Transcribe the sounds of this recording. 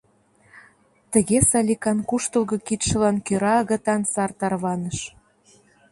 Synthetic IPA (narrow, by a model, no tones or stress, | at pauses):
t̪ə̆ɣesɑlʲikɑnkuʃt̪ɤ̆lɣɤ̆kit̪ʃə̆lɑnkøɾɑɣə̆t̪ɑnsɑrt̪ɑrβɑnə̆ʃ